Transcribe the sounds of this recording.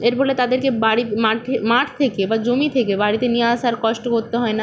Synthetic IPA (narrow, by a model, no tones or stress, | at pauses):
eɾbolet̪ad̪eɾkebaɽimaʈʰmaʈʰt̪ʰekebad͡ʑomit̪ʰekebaɽit̪enijeaʃaɾkɔʃʈokoɾt̪eɦɔena